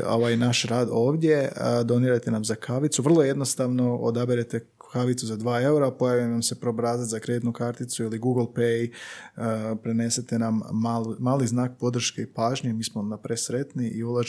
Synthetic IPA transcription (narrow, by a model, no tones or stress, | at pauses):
o̞̰ʋajnaʃɾaːd̪o̞ːʋd̪je̞d̪o̞niɾajt̪e̞namzakʰaʋit̪suʋr̩lˠoje̞d̪no̞st̪aʋno̞o̰d̪abiɾet̪e̞ | kaʋit̪suzad̪ʋaːe̞uɾapo̞jaʋinamse̞pɾo̞bɾaːzat̪zakɾed̪it̪nukaɾt̪it̪suiliɡuɡlˠpejəpɾene̞se̞t̪e̞namːaːlmaːliznaːk̚po̞d̪r̩ʃke̞ipaːʒɲemiːsmonapɾe̞sɾe̞t̪niʔiulˠaʒ